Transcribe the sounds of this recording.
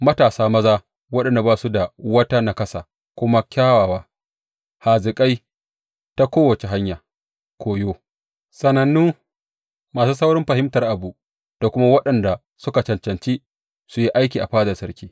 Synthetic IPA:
mɐ˦taː˨saː˦mɐ˦zaː˦ | wɐ˦ɗɐ˨nda˨baː˦su˦da˨wɐ˦ta˦na˦kɐ˦sa̰˨ | kʷʊ˦ma˦kʲaː˦waː˨waː˦ | ha˨zɪ˨kʼa˦j | ta˦kʷoː˦wɐ˨t͡ʃe˨ɦa˦ɲjaː˨ | kʰʷoː˨joː˦ | sɐ˨nɐ˨nːuː˦ | maː˨suː˦sɐ˦wɽɪ˦mɸɐ˨ɦɪ˦mtɐ˨rʔa˨bu˨ | d̥a˨kʷʊ˦ma˦wɐ˦ɗɐ˨nda˨ | sʊ˦ka˨t͡ʃɐ˨nt͡ʃɐ˨nt͡ʃiː˦ | su˨ji˦ʔa˦jkʲiː˨ʔa˨ɸaː˦dɐ˨sɐ˦ɾkʲiː˦

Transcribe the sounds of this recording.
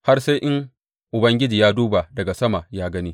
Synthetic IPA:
ha˦rsa˦jʔɪ˦ŋ | ʔʊ˨bɐ˦ŋɡʲɪ˦d͡ʒiː˨jaː˦duː˦ba˨dɐ˨ɡa˨sɐ˦ma˨jaː˦ɡɐ˦niː˦

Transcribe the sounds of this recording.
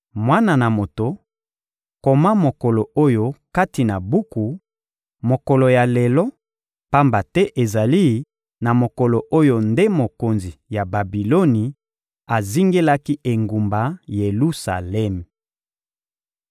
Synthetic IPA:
mwa˦na˨na˨mo˨to˨ | ko˨ma˦mo˨ko˨lo˨o˦jo˦ka˦ti˨na˨bu˦ku˨ | mo˨ko˨lo˨ja˨lɛ˨lɔ˦ | pa˦mba˨tɛ˦ʔe˨za˨li˦ | na˨mo˨ko˨lo˨ʔo˦jo˦nde˦mo˨ko˨nzi˨ja˨ba˨bi˨lo˦ni˨ | a˨zi˦ŋɡe˦la˦ki˦ʔe˨ŋɡu˨mba˨je˨lu˦sa̰˨lɛ˦m˨

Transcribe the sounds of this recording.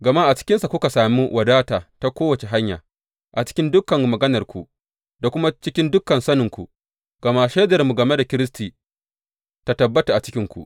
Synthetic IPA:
ɡɐ˨ma˦ʔa˨t͡ʃɪ̥˦kʲɪ˦nsa˨kʷʊ˦ka˨saː˨mi˦wʔɐ˨daː˦taː˨ta˦kʷoː˦wɐ˨t͡ʃe˨ɦa˦ɲja̰ː˨ | ʔa˨t͡ʃɪ̥˦kʲɪ˦ndʊ˦kɐ˨ŋmɐ˨ɡɐ˦nɐ˨rkʷṵ˨ | da˨kʷʊ˦ma˦t͡ʃɪ˦kʲɪ˦ndʊ˦kːɐ˨nsɐ˦nɪ˨ŋkʷṵ˨ | ɡ̥ɐ˨ma˦ʃe˦dɐ˨rmu˨ɡɐ˨me˦da˨kʲɪ˦ɾɪ˦s̬tiː˨ | ta˨tɐ˨bːɐ˦ta˨ʔa˨t͡ʃɪ̥˦kʲɪ˦ŋkʷṵ˨

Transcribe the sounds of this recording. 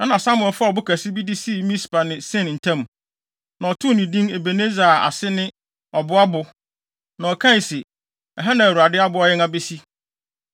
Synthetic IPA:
ã˦nã˨sa˦mʊ̃˨ɛ˨fa˦˨ɔ˨bʊ˦kʰæ˨sɪ˦bi˦di˦si˦˨mĩ˦spa˨nɪ̃˨sɪ̃˦˨n˨n̩˨tʰã˦m˨ | nã˨ɔ˨tʰʊ˦˨nĩ˨dĩ˦ŋe˨be˨nẽ˦za˨a̰˨sɪ˦nɪ̃˦ | ɔ˨bʊ˦a˦bʊ˨ | nã˨ɔ˨kʰã˦˨sɪ˨ | ɛ˨ɦa˦nã˨u˨a˨dɪ˦a˦bʊ˦ɔ˦jɪ˦ŋã˦be˦si˦

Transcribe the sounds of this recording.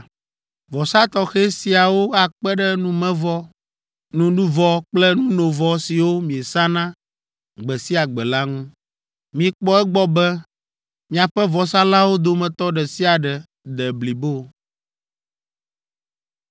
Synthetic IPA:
vɔ˨sa˦t̪ɔ˦xɛ˦si˦a˨wo˦a˨k͡pɛ˦ɖɛ˦nũ˦mɛ̃˦vɔ˦ | nũ˨nũ˦vɔ˦k͡plɛ˦nũ˦no˨vɔ˨si˨wo˦mĩ˨e˨sa˦nã˦ | ɡ͡bɛ˨si˦a˨ɡ͡bɛ˨la˦ŋũ˦ | mĩ˨k͡pɔ˦ɛ˦ɡ͡bɔ˦bɛ˦ | mĩ˨a˨ɸɛ˦vɔ˨sa˦la˦wo˦d̪o˦mɛ̃˨t̪ɔ˦ɖɛ˨si˦a˨ɖɛ˨ | d̪ɛ˨bli˨bo˦

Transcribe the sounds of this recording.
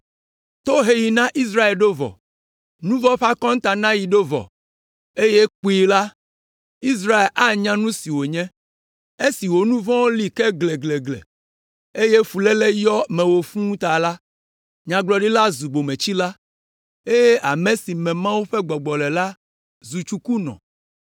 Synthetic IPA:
t̪o˦ɦe˦ji˨nã˦ʔi˦s̬ɾa˦e˨lɖo˦vɔ̰˨ | nũ˦vɔ̃˦ɸa˦kɔ̃˦ŋ˦t̪a˨nã˦ji˨ɖo˦vɔ̰˨ | e˦je˦k͡pi˦la˦ | i˦s̬ɾa˦e˨lʔa˦ɲã˦nũ˦si˨wo˨ɲɛ̃˦ | e˦si˨wo˨nũ˦vɔ̃˦wo˦li˦kɛ˦ɡle˨ɡle˨ɡlḛ˨ | e˦je˦fu˨lɛ˦le˦jɔ˦mɛ̃˨wo˨fũ˦t̪a˨la˦ | ɲã˨ɡ͡blɔ˨ɖi˦la˦zu˨ɡ͡bo˨mɛ̃˨t͡ɕi˦la˦ | e˦je˦ʔa˨mẽ˦si˨mɛ̃˨mã˦wu˦ɸɛ˦ɡ͡bɔ˨ɡ͡bɔ˨lɛ˨la˦ | zu˨t͡ʃu˦ku˦nɔ̰̃˨

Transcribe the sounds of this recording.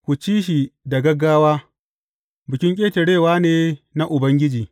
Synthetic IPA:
kʷu˨t͡ʃiː˦ʃi˨da˨ɡɐ˦ɡaː˦waː˦ | bɪ˨kʲɪ˦ŋkʲʼeː˦tɐ˨ɽeː˦˨waː˦neː˦na˦ʔʊ˨bɐ˦ŋɡʲɪ˦d͡ʒiː˨

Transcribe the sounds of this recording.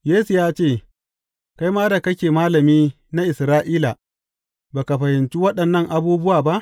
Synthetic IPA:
jeː˦su˨jaː˦t͡ʃeː˦˨ | ka˦jmaː˦da˨kɐ˦kʲeː˨maː˦lɐ˨miː˦ | na˦ʔɪ˨sɾaː˦ʔiː˦la˨ | baː˨ka˨ɸɐ˨hɪ˨nt͡ʃi˦wɐ˦ɗɐ˨nːɐ˦˨ŋʔa˦buː˦bʊ˦waː˨ba˦ʔ

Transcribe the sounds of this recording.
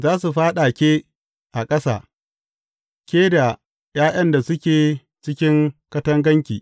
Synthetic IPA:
zaː˦su˨ɸaː˦ɗa˨kʲeː˦ | ʔa˨kʼɐ˦sa̰ː˨ | kʲeː˦da˨ | jaː˦j̰ɐ˦nda˨sʊ˦kʲeː˨ | t͡ʃɪ˦kʲɪ˦ŋkɐ˦tɐ˦ŋɡɐ˦ŋkʲḭː˨

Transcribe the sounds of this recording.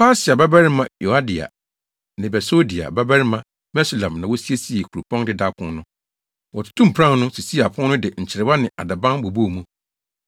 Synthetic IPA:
pʰa˦sɪ˨a˨ba˦bɛ˦ɾɪ˦mã˨jo˨a˦di˨a̰˨ | nɪ̃˨bɛ˨so˦di˨a̰˨ba˦bɛ˦ɾɪ˦mã˦ | bɛ˦su˨lã˨mnã˨wɔ˦si˦e˦si˨˦e˨kʰu˨ɾu˨pʰɔ̃˦ndɪ˦da˦pʰʊ̃˦nnʊ̃˦ | wɔ˨tʰu̥˨tʰũ˦m̩˨pʰɾã˦nʊ̃˦si˨si˦˨a˨pʰʊ̃˦nnʊ̃˦dɪ˨ɲ̩˨t͡ɕʰɪ˨ɾɪ˨ba˦nɪ̃˨ʔa̰˨da˨bã˦nbo˨bu˦˨mũ˦

